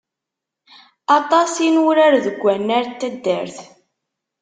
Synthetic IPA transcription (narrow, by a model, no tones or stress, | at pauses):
ɑt̪ˤɑsinʊɾaɾðəɡʷːænːæɾt̪ːæd̪ːəɾθ